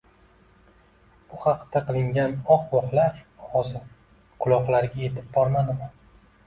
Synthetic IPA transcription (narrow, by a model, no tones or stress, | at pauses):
b̥ʊχɑqt̪aqɨlˠɪŋɡʲanɒqwɒqlˠaɾɒʁɒsɪ | qʰʊlˠɒqlˠaɾɡʲaje̞t̪ʰɪp̚bɒɾmad̪ɪma